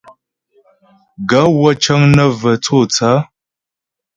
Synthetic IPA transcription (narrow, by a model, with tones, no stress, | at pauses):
ɡa˨˦wə˦t͡ʃə˦ŋnə˦və˨t͡so˦˨t͡sa˨˦